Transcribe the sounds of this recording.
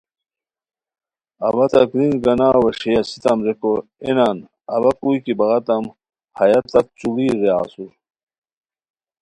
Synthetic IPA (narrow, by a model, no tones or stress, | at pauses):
ɐbɐt̪ɐkɾinɡɐnaːwɐʂejɐsit̪ɐmɾekoenaːn | ɐ̰bɐkujkibɐɣɐt̪ɐm | hɐjɐt̪ːɐk̚t͡suliːɾea̰ːsuɾ